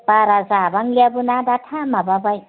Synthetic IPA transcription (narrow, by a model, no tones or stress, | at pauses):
paɾazabaŋlabunad̪atʰamababaj